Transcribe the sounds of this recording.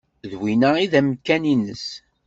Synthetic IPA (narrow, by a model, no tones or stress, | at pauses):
ðwinæiðæmkːæninəs